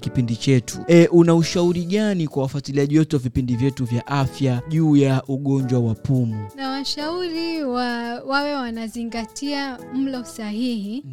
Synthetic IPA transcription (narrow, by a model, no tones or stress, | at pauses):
kipindit͡ʃɛtʰuɛʔunauʃauɾiɠanikwawafatiliaʄiwɛtuwavipindivjɛtuvjaʔafjaʄuːjaʔuɠɔɲd͡ʒwawapumunawaʃauɾiwawawɛwanaziŋɡatʰiam̩lɔsaɦihi